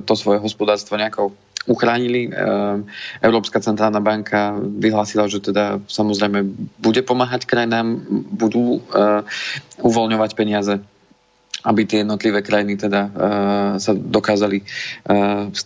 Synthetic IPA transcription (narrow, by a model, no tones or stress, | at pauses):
t̪ɔsʋɔjɛɦɔspɔd̪aːɾst̪ʋɔɲɛakɔ | uxɾaːɲili | ʔɛʊɾɔːpskat͡sɛnt̪ɾaːlˠnabaŋkʰaʋiɦlaːsilaʒɛt̪ɛd̪asamɔzɾɛɪmɛbuɟɛpɔmaːɦackɾajinaːmbud̪uː | uʋɔlɲɔʋacpɛɲɪazɛ | abit̪ɪɛjɛd̪nɔt̪liʋɛːkɾajinit̪ɛd̪a | sad̪ɔkaːzali